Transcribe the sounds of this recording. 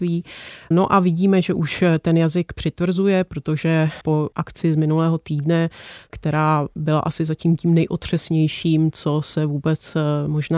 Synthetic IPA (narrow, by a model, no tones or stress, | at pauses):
viːno̞ʔavɪɟiːmɛʒɛʔuʃt̪ɛnjazɪkpr̥ɪt̪vr̩zujɛpɾo̞t̪oʒɛpo̞ʔakt͡sɪzmɪnulɛːɦo̞t̪iːdnɛkt̪ɛɾaːbɪla̰ʔasɪzaciːmciːmnɛjʔot̪r̝̥ɛsɲɛjʃiːmt͡so̞sɛvuːbɛt͡smo̞ʒna